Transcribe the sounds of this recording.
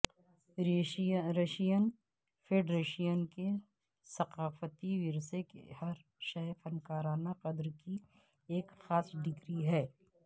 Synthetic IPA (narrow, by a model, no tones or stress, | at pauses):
ɾeʃijən | fʰeɖɾeːʃijənke | sɐqaːfət̪iʋɪɾsekḛhɐɾ | ʃɛfɐnkaːɾaːnaqɐd̪ɾki | eːkxaːsɖʱɪkɾiɦɛː